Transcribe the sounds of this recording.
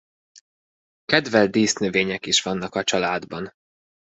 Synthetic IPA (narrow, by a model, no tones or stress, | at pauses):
kɛd̪vɛld̪iːst̪nøveːɲɛkiʃʋɒnːɒkɒt͡ʃɒlaːd̪bɒn